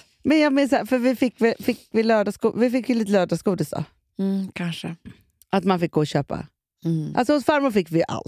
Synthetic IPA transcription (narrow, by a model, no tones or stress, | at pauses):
mɛnjɑːɡmɪːnsaːfœɾvɪfɪkːvɪfɪkːvɪlœːɖaskṵːvɪfɪkːjəliːt̪əlœːɖaskuːd̪ɪsd̪ɔ̰ | kʰanʂə | ʔat̪manfɪk̚ɡoːɔɕøːpa̰ | a̰lsɔhʊsfaɾmʊːfɪkːvɪjʔa̰l